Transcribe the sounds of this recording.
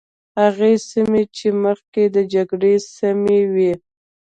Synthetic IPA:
haɣesimet͡ʃeməxked̪əd͡ʒaɡɽesamewi

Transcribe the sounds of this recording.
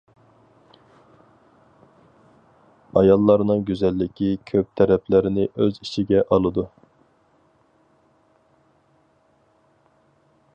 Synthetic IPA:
ɑjɑlˠːɑɾnɨŋɡʲyzɛlːɪkʲʰikʲʰøp̚t̪ʰɛɾɛpʰlɪɾɪnɪʔøziʃʰiɡʲɛʔɑlˠɨd̪u

